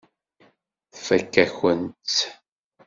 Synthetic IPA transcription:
θfækːæçənt̪

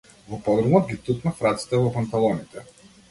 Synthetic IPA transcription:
vɔpɔɡ̪ɾɔmɔd̪̚ɡʲit̪uknafɾat̪si̥t̪ɛvɔpant̪alˠɔnit̪ɛ

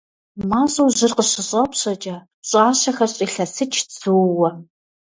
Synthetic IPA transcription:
maːɕʼuːʑɪrqəɕɪɕʼɐpɕɐt͡ʃʼɐ | ɕʼaːɕɐxɐrɕʼiːɬɐsɨt͡ʃʰt͡sɨwwɐ

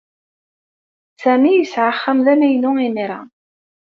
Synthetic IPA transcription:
sæmijəsʕaχːəmðænæjnʊiniɾˤa̰

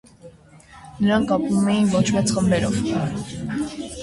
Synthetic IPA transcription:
nəɾɑŋkkɑpumɛjinvɔt͡ʃʰmɛt͡sχəmbɛɾɔ̰v

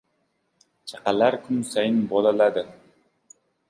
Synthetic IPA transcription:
t͡ʃʰaqɑlaɾkʰʊmsajɪnbɒlalad̪ɪ

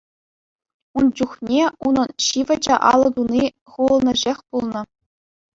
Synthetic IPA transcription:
und͡ʑuχnʲeunɤ̆nɕiʋɘ̆d͡ʑɑʔɑ̰lˠɤ̆d̪uni | χuɤ̆lnʲɘ̆ʑexʲpulˠnɤ̆

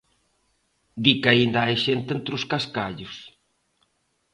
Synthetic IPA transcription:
d̪ikaind̪aajʃent̪ent̪ɾʊskaskaʎʊs

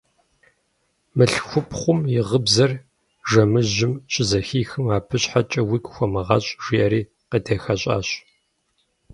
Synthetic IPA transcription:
mɨɬxʷʊpʰχʷʊmjɪʁəbzɐr | ʒɐmɨʑɪmɕʼɪzɐxiːxɨmaːpʰɨɕħat͡ʃʼɐwikʷxʷɔmɨʁɐɕʼʒ̥iʔɐɾiː | qətʰeːxɐɕʼa̰ːɕ

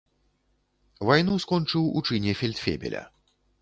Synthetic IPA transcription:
vajnuskɔnt͡ʂɨwṵt͡ʂɨnʲɛfʲɛlʲt̪fʲḛbʲɛ̰lʲɐ̰

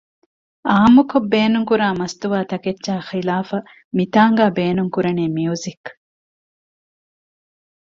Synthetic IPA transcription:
aːmukobːeːnuŋkuɾaːmɐst̪uʋaːt̪ɐketːʃaːxilaːfɐ | mit̪aːŋɡaːbeːnuŋkuɾɐneːmiuzik

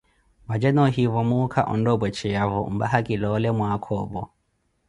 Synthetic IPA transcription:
βad͡ʒɛnɔɦiβɔmukʰaʔɔndɔbwɛt͡ʃʰɛjaβɔṵmba̰ɦakʼilɔːlɛmwaakʰɔbɔ

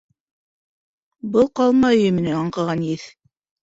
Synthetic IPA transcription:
bɤlˠqɑlˠmɑj̆jɘ̆mɘ̆næɑɴqɑ̆ʁɑnjiθ

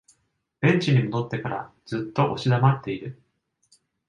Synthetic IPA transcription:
b̥ẽ̞ɲt͡ɕiɲ̟imo̞d̪o̞t̪ːe̞kaɾa̰ | d͡z̥ɨt̪ːo̞ʔoɕid̪amat̪ːe̞iɾɯ̟

